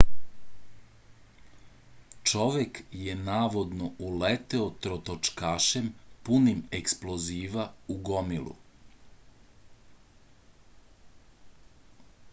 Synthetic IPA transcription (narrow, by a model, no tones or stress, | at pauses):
t͡ʃo̞ʋjekje̞naːʋo̞d̪noʔulet̪eot̪ɾot̪ot͡ʃkaːʃempunimeksploziːʋauɡomilˠṵ